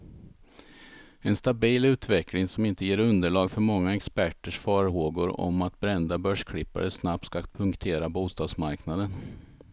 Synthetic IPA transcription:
ɛnst̪abiːlʉ̟ːt̪ʰvɛklɪŋsɔmɪnt̪əjeːɾɵnd̪əɭɑːɡfœɾmɔŋːaɛkspæʈːəʂfɑːɾɦoːɡʊɾɔ̰mat̪bɾɛnd̪abœʂkʰɽɪpːa̰ɾəsnap̚t̪skapʰɵŋkt̪ʰeːɾabuːst̪ɑːd̪smaɾknad̪ən

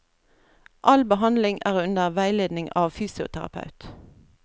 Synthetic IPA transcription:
ʔɑlbəɦɑnd̪lɪŋæːʁʉnd̪əʁʋæɪleːd̪nɪŋɑːʋfyːsɪʊ̰t̪ʰæʁɑ̰pʰɑ̰ʉt̪

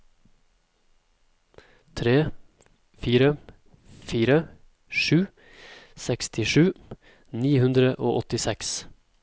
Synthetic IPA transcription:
t̪ʰɾeː | fiːɾə | fiːɾə | ʃʉː | sɛkst̪ʰɪʃʉː | niːhʉnd̪ɾəʔo̰ːʔɔt̪ɪsɛks

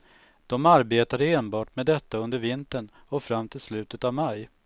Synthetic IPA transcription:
d̪̥ɔmaɾbeːt̪aɾeːnbɑːʈmed̪ɛt̪ːaɵnd̪əɾvɪnt̪əɳ | ɔfɾamːt̪ʰɪlslʉ̟ːt̪ət̪avmaj

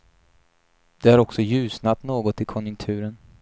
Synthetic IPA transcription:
d̪ɛhaɾɔksɔjʉ̟ːsnat̪noːɡɔt̪ɪkʰɔnjɵŋk̚t̪ʰʉ̟ːɾən

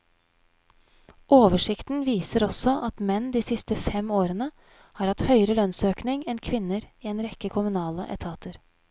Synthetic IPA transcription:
ʔoːʋəʂɪkt̪n̩ʋiːsəɾɔsɔʔɑt̪mɛnːd̪iːsɪst̪əfɛmoːɾənə | hɑːɾɑt̪hœʏəɾəlœnsøːknɪŋɛnkʰʋɪnəɾiːɛːnɾɛkəkʰʊmʉnɑːlə̰ʔɛ̰t̪ʰɑːt̪ʰəɾ

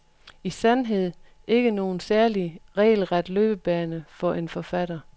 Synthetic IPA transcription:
isænɦe̝ð̞̰ˠ | ʔe̝ɡ̥əno̝ːn̩sæɐliʁɛ̰ːl̩ʁad̥løːb̥əb̥ɛːnəfɒ̽ʔe̝nfɒ̽fæɾ̥ɐ

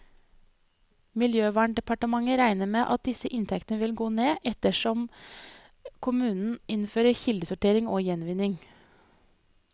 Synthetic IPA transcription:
mɪljøːʋæːɳɖɛpɑʈəmɑŋəɾæɪnəmeːʔɑt̪̚d̪ɪsəʔɪnt̪ʰɛkt̪nəʋɪlɡoːneːʔɛt̪əʃɔm | kʰʊmʉːnn̩ɪnføːɾəçɪld̪əsʊʈeːɾɪŋoːjɛnʋɪnɪŋ

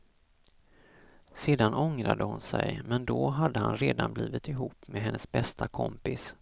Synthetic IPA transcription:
seːd̪anɔŋɾad̪əhʊnsɛjmɛnd̪ɔɦad̪ːəhanɾeːd̪anbliːvɪt̪ɪɦuːpːmɛɦɛnːəsbɛst̪ʰakʰɔmpɪs

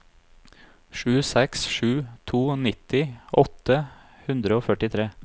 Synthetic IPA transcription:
ʃʉːsɛksʃʉːt̪ʰuːnɪt̪ɪʔɔt̪ə | hʉnd̪ɾəoːfœʈɪt̪ʰɾeː

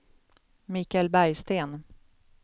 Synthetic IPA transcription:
miːkalbæɾjst̪eːn

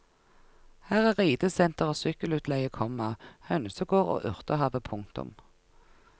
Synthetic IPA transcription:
hæːʁæːʁiːd̪əsɛnt̪əʁoːsʏkəlʉːt̪ʰlɛɪəkʰɔmːɑhœnsəɡoːʁo̰ːʔʉʁt̪əhɑːʋəpʰʊŋt̪ʊ̰m

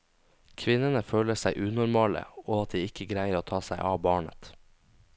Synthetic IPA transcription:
kʰʋɪnənəføːləsæɪʔʉːnʊɾmɑːlə̰oːɑt̪̚d̪iːɪkəɡɾæɪəɾoːt̪ʰɑːsæɪʔɑːbɑːɳə̰t̪

